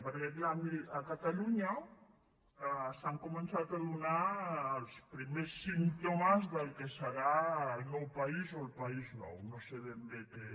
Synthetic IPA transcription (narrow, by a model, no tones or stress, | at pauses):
pəɾkeplamiəkat̪aluɲa | saŋkumənsat̪aðunaːlˠspɾimesːint̪omazðəlˠkesəɾaəlnɔwpaizoəlpaiznɔ̰wnoseðend̪eke